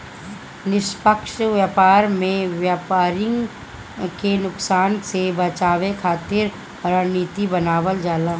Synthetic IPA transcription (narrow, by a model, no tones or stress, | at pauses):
nɪʃpəkʃʋjaːpaːɾmẽʋjaːpaːɾɪ̃ŋɡ | kenʊksaːnsebɐt͡ʃaːʋekʰaːt̪ɪɾ | ɾəniːt̪ibɐnaːʋəld͡ʒaːlãː